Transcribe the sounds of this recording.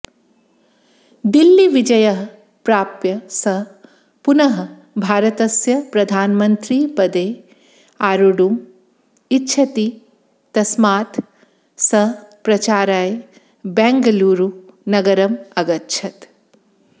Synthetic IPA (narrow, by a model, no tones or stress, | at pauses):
d̪ilːiʋid͡ʒɐjɐɦɐ | pɾaːpjɐsɐ | punɐɦɐ | bʱaːɾɐt̪ɐsjɐpɾɐd̪ʱaːnmɐnt̪ɾiːpɐd̪eː | aːɾuɽum | itːʃʰɐt̪i | t̪ɐsmaːt̪ | sɐɦpɾɐt͡ʃaːɾaːj | bɛːŋɡɐluːɾunɐɡɐɾɐmɐɡɐtːʃʰɐt̪